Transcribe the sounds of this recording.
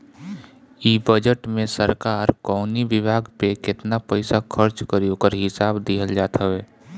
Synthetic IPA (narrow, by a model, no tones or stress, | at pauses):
iːbəd͡ʒəʈmẽsəɾkaːɾkɔːniʋɪbʱaːɡpekɪt̪napəɪsakʰəɾt͡ʃkəɾjõkəɾɦɪsaːbd̪iɦəld͡ʒaːt̪aɦeː